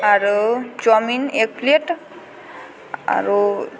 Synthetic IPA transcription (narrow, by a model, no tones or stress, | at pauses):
aɾut͡ʃɔminek̚pleʈ | a̰ɾu